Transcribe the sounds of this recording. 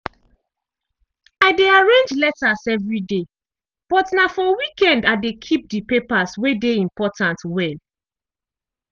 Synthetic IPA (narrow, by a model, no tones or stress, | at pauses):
aɪdeaɹẽnd͡ʒlɛtasɛvɹide | b̥ɔtnafɔwikɛ̃ndadekʰip̚dipepaswedeĩmpɔtãntwɛl